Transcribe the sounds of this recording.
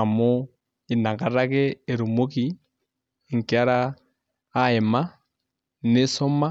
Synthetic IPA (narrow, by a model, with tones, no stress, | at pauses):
a˨mo˦ | i˨na˨ka˨ɾa˦kɛː˦˨ɾu˨mo˦ki˨ | ŋ˨ki˨a˦ɾaː˦ | ɛ˨ma˦ | ne˦sɔ˦ma˦